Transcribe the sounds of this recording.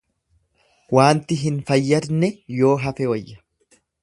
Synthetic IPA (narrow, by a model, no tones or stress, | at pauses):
waːnt̪ɪɦɪnfɐjːɐɾnɛjo̞ːɦɐfɛwɐjːɐ̥